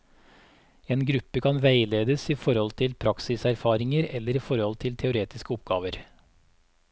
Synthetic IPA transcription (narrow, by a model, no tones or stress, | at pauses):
eːnɡɾʉpəkʰɑnʋæɪleːd̪əsiːfɔɾhɔlt̪ʰɪlpʰɾɑksɪsæɾfɑːɾɪŋəɾɛləɾiːfɔɾhɔlt̪ʰɪlt̪ʰɛʊɾeːt̪ɪskəɔp̚ɡɑ̰ːʋəɾ